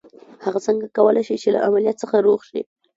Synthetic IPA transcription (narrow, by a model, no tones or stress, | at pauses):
haɣat͡səŋɡakawəlʔajʃit͡ʃela̰ʔamalijat̪̚səxaɾoɣʃḭ